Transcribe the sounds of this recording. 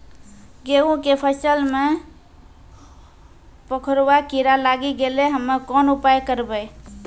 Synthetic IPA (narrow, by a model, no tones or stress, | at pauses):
ɡeũkepʰəsəlme | pəkʰɾwakiɾalaɡiɡeleɦəmːəkɔnupajkəɾbəj